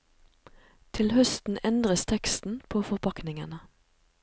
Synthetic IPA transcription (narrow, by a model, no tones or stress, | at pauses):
t̪ʰɪlhœst̪n̩ɛnd̪ʁəst̪ʰɛkst̪n̩pʰoːfɔʁpʰɑknɪŋə̰nə